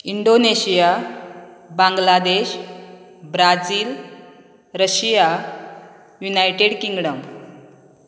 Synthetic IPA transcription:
iɳɖoneɕija | baŋɡlad̪eɕ | bɾad͡ziːl | ɾəɕija | junajʈeɽkiŋɡɽəŋɡ

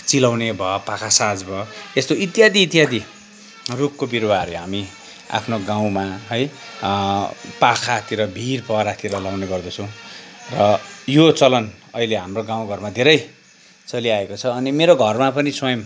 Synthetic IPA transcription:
t͡silawnebʱʌpakʰasad͡zbʱʌest̪oit̪ijad̪iːt̪ijad̪i | rukːobirwaʌɾeɦami | a̰pʰnoɡãw̃maɦʌj | pakʰat̪ʰiɾʌbʱirpʌɾat̪ʰiɾʌlawneɡʌrd̪ʌt͡sʰʌw̃rʌjot͡sʌlʌnʌileɦamroɡãw̃ɡʱʌrmad̪ʱeɾʌj | t͡sʌliaekot͡sʰʌːnimeɾoɡʱʌrmapʌniswʌjʌm

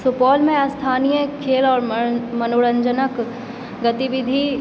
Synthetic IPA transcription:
supɔːlmẽast̪ʰaːnijəkʰeːlɔːɾmɐnoːɽə̃ɲd͡ʒənək | ɡɐt̪iʋɪd̪ʱi

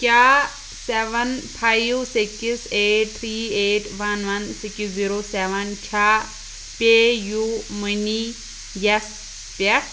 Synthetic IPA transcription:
kʲa | seʋɐnpʰajʋsikiseːʈ̚t̪ʰɾiːeːʈʋɐnʋɐnsikisziɾoːseʋɐnkʲʰaː | pʲejumini | jɐs | pɛ

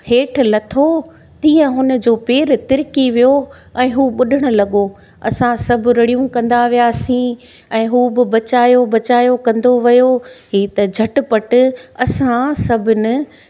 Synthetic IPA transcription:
heːʈʰʊ̆lɐt̪ʰo | t̪ĩːə̃ɦʊnə̆d͡ʑoːpeːɾt̪ɪɾɪkiʋijo | ɛ̃ːɦuːɓʊɗɪɽ̃ʊ̆lɐɠo | ɐsãsɐbʱɪ̆ɾɐɽijũkɐ̃nd̪aʋijaːsĩ | ɛ̃ːɦuːbɪbɐt͡ɕaːjobɐt͡ɕaːjokɐ̃nd̪oʋɐjoɦiːt̪ɐd͡ʑʱɐʈɪ̆pɐʈʊ̆ɐsãsɐbʱɪnɪ̆

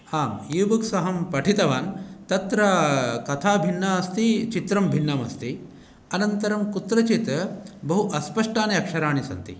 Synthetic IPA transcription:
aːmjiːʋɐksɐɦɐmpɐʈʰit̪ɐʋaːnt̪ɐt̪ɾɐkɐt̪ʰaːbʱinːaːɐst̪it͡ʃit̪ɾɐmbʱinːɐmɐ̰st̪i | ɐnɐnt̪ɐɾɐmkut̪ɾɐt͡ʃit̪ɐbɐɦuʔɐspɐʂʈaːnɐɐkʂɐɾaːɳisɐ̰nt̪ḭ

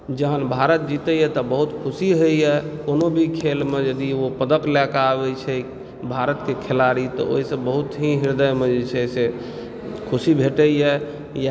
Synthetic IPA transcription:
d͡ʒəɦənbʱaɾət̪̚d͡ʒit̪əjɛt̪ɔbəɦut̪kʰusiɦəjɛkonobʱikʰelmed͡ʒəd̪iopəd̪əklakabɛt͡ʃʰɛ | bʱaɾət̪kekʰelaɾit̪ɔ̰o̰ɦisəbːəɦut̪ɦĩɦiɾd̪əjmed͡ʒet͡ʃʰɛse | kʰusibʱeʈəjɛ | j

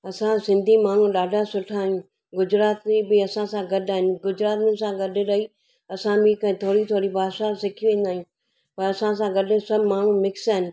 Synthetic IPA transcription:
ɐsãsɪ̃nd̪ʱimaːɳ̤ũɗaːɖʱasʊʈʰaːɦijũː | ɡʊd͡ʑɾaːt̪ibɪɐsãsãɡɐɗaːɦɪnɪ̆ɡʊd͡ʑɾaːt̪mɪnsãɡɐɗ̆ɾɐɦi | ɐsãmĩkɐ̃ɦɪ̃t̪ʰoːɽit̪ʰoːɽibʱaːʃasɪkʰijuʋẽːnd̪aːijũ | pɐɾɐsãs̬ãɡɐɗ̆sɐbmaːɳ̤ũmɪksaːɦɪnɪ̆

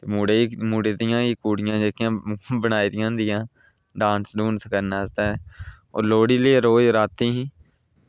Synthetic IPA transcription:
t̪eːmuːɽeːmuːɽeːd̪ɪjãːiːkuːɽɪjãːd͡ʒeːkɪjãːbənaːiːd̪ɪjãːd̪ɪjãː | ɖãːnsɖuːnsəkəɾnaːst̪aːɛ | o̰ːɾloːɽiːlieɾoːoɾaːt̪ĩːɦĩː

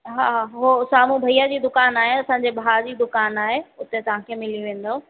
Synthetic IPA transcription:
ɦaːɦaːɦosaːmũbʱɐiːad͡ʑiːd̪ʊkaːnaːɦeɐsãːɲd͡ʑebʱaːd͡ʑiːd̪ʊkaːnaːɦeʊt̪et̪ɐʋ̤ãkʰeːmɪliʋẽːn̆d̪oː

